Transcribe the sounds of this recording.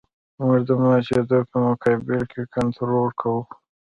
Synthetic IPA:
mʊʐd̪əmɑɑt͡ʃed̪opəmʊkɑbɪlkʰekant̪ʰɾoɾkʰawu

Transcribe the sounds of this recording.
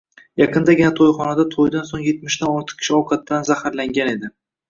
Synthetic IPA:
jɑqʰɨnd̪aɡʲɪnat̪ʰojχɒnad̪at̪ʰojd̪ansoŋje̞t̪̚mɪʃt̪anɒɾt̪ʰɨ̥qkʲʰɪ̥ʃɪɒwkʰat̪ːanzahaɾlaŋɡʲane̞d̪ɪ

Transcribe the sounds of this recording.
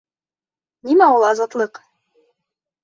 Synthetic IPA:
nimæulˠɑzɑt̪lˠɤq

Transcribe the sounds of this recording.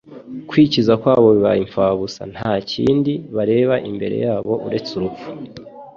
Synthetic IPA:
kwiːcizakwaːβo̞βiβa̰jiɱfaːβusa̰n̥haːcḭːndiβaɾe̞ːβaʔimbe̞̰ɾe̞̰jaːβo̞ʔuɾe̞t͡suɾufu̥

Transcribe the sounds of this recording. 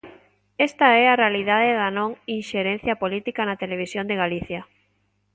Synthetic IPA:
est̪aɛarealiðaðeðanõŋinʃeɾẽn̟θjapolit̪ikanat̪eleβ̞isjõnd̪eɣaliθja

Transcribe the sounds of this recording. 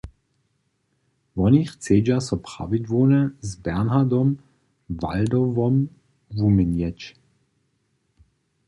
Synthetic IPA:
vɔniːxt͡seːd͡ʒasɔpʁa̰ʋid̪vɔːnɛzbɛʁnɦad̪ɔm | va̰ld̪ɔvɔm | vumɪnjɛt͡ʃ

